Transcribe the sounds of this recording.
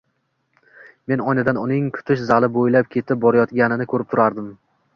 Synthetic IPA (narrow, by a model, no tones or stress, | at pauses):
me̞nɒjnɪd̪anʊnɪŋkʰʊ̥t̪ʰɪʃzalɪbojlap̚kʲʰe̞t̪ʰɪp̚bɒɾajɒt̪ɡʲanɪnɪkʰɵɾɪp̚t̪ʰʊɾaɾd̪ɪm